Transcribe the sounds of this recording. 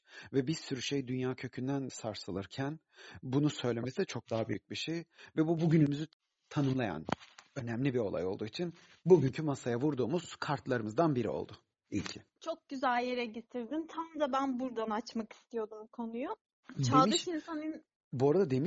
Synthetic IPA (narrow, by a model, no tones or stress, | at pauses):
vɛbiɾsyɾyʃejd̪ynjaːcʰø̞cʰynd̪ænsaɾsɯlˠɯɾcʰæn | bunusø̞jlʲe̞mesid̪ɛt͡ʃʰo̞k̚d̪aɦabyjyc̚biʃejvɛbubuɟynymyzy | t̪ʰanɯmlˠaja̰nø̞næmlʲibio̞lˠa̰jo̞̰lˠd̪uːit͡ʃʰin | buɟyɲcʰymasajavuɾd̪uːmuz̥kʰaɾt̪lˠaɾɯmɯzd̪anbiɾḭo̞̰lˠd̪ʊ | ḭlʲcʰit͡ʃʰo̞k̚ɟyzælʲjeɾɛɟet̪ʰiɾd̪int̪ʰamd̪abænbuɾd̪anat͡ʃmaki̥st̪ʰijo̞d̪umkʰo̞nujo | dt͡ʃʰalmiɯʃʃinsanɯn | buoɾad̪ad̪e̞miʃ